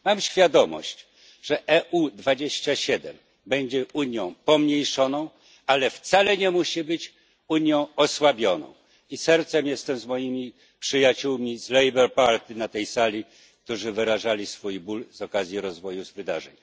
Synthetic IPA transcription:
mamɕfʲjad̪ɔmɔ̰ɕt͡ɕ | ʐ̥ɛʔɛʔud̪vad͡ʑeɕt͡ɕaɕɛd̪ɛm | bɛɲd͡ʑɛuɲjɔ̃w̃pɔmɲejʂɔnɔ̃w̃ | alɛft̪salɛɲɛmuɕibɘt͡ɕ | uɲjɔ̃w̃ɔswabʲjɔnɔ̰̃w̃ | isɛɾt̪sɛmjɛst̪ɛmzmɔjimʲi | pʂɘjat͡ɕuwmʲizlɛjbɛɾpaɾt̪inat̪ɛjsalʲi | k̚t̪uʐɘvɘɾaʐalʲisfujbulzɔkazʲjiɾɔzvɔjuzvɘd̪a̰ʐɛ̰ɲ

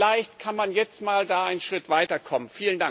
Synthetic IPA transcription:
laɪçtkʰanmanjɛt͡stmaːldaːʔaɪnənʃʁ̥ɪtv̥aɪtɐkʰɔmənfiːləndaŋ

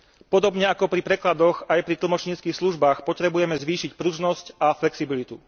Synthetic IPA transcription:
pɔd̪ɔbɲɛakɔpɾipɾɛklad̪ɔɣajpɾit̪l̩mɔt͡ʃɲiːt͡skixsluʒbaːxpɔt̪ɾɛbujɛmɛzʋiːʃicpɾuʒnɔscaflɛksibilit̪u

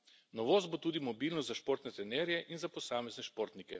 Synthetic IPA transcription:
nɔʋoːs̬t̪̚bot̪uːd̪imɔbilnɔs̬t̪zaʃpoːɾt̪nɛt̪ɾɛnɛɾjɛʔinzapɔsaːmɛznɛʃpoɾt̪nikɛ̰

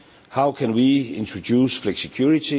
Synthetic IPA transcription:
haʊkʰɛ̃nwiɪ̃ntʰɹ̥ɔdusflɛksɛkʰj̥uɹɪtʰi

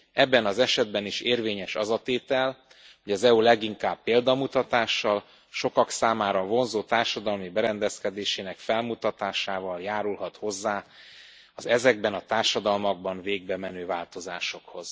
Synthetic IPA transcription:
ɛbːɛnɒzɛʃɛd̪bɛniʃeːrveːɲɛʃɒ̰zɒt̪eːt̪ɛl | ho̞ɟɒzɛulɛɡiŋkaːbːeːld̪ɒmut̪ɒt̪aːʃːɒl | ʃo̞kɒksaːmaːɾɒvo̞nzoːt̪aːrʃɒd̪ɒlmibɛɾɛnd̪ɛskɛd̪eːʃeːnɛkfɛlmut̪ɒt̪aːʃaːvɒljaːɾulɦɒt̪ho̞zːaː | ɒzɛzɛɡ̚bɛnɒt̪aːrʃɒd̪ɒlmɒɡ̚bɒɱveːɡ̚bɛmɛnøːvaːlt̪o̞za̰ːʃo̞kho̞z̥

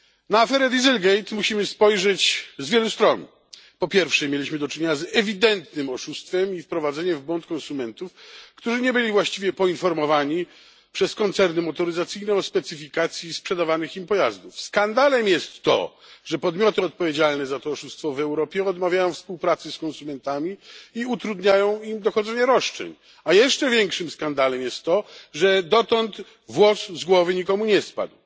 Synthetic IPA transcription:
naːfɛɾɛd̪ʲizɛlɡɛjt̪muɕimɘspɔjʐɛt͡ɕzvʲjɛlust̪ɾɔn | pɔpʲjɛɾfʂɛmʲjelʲiɕmɘd̪ɔt͡ʂɪɲeɲazɛvʲid̪ɛnt̪nɘmɔʂust̪fɛmifpɾɔvad̪zɛɲɛmvbwɔnt̪kɔ̃nsumɛnt̪ufkt̪uʐɘɲɛbɘlʲivwaɕt͡ɕivʲjɛpɔinfɔɾmɔvaɲi | pʂɛskɔnt̪sɛɾnɘmɔt̪ɔɾɘzat̪sɘjnɛɔspɛt̪sɘfʲikat̪sʲjispʂɛd̪avanɘximpɔjazd̪ufskand̪alɛmjɛst̪ːɔ̰ | ʐɛpɔd̪mʲɔt̪ɘɔt̪̚pɔvʲjed͡ʑalnɛzat̪ɔɔʂust̪fɔvɛwɾɔpʲjɛɔd̪mavʲjajɔ̃w̃fspuwpɾat̪sɛskɔ̃nsumɛnt̪amʲiiut̪ɾud̪ɲajɔ̃w̃imd̪ɔxɔd̪zɛɲɛɾɔʂt͡ʂɛ̰ɲ | ajɛʂt͡ʂɛvʲjɛŋkʂɘmskand̪alɛmjɛst̪ːɔʐɛd̪ɔt̪ɔnt̪ | vwɔszɡwɔvɘɲikɔmuɲɛspa̰d̪w

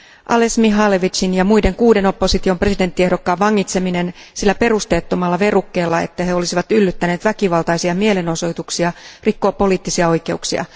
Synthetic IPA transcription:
ʔɑlesmiɦɑleʋit͡ʃinjɑmuide̞ŋkuːde̞no̞pːo̞sit̪io̞mpre̞side̞nt̪ːiehdo̞kːɑːʋɑŋːit̪se̞mine̞nsilːæpe̞rust̪e̞ːt̪ːomɑlːɑʋe̞rukːe̞ːlːɑe̞̰t̪ːæhe̞o̞lisiʋɑt̪ylːyt̪ːæneːt̪ʋækiʋɑlˠt̪ɑjsiɑmie̞le̞no̞so̞jt̪uksiɑrikːo̞ːpːo̞liːt̪ːisiɑo̞jke̞uksiɑ̰

